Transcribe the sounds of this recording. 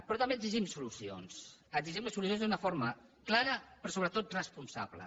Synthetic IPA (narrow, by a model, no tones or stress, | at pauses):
pɾɔt̪ɐmbeəɡziʒimsulusio̰nsəziʒimləsːulus̬jonzd̪unəfoɾməklaɾəpɾɔsoβɾət̪ot̪̚rəspunsa̰βlə̰